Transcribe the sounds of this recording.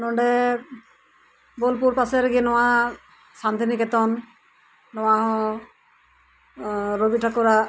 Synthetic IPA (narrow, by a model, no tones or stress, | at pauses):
nɔɳɖɛ | bolpuɾpasɛɾɡinɔwa | sant̪inikɛt̪ɔnː | ɔwaɦɔ̃ | ɾobiʈʰakɔɾa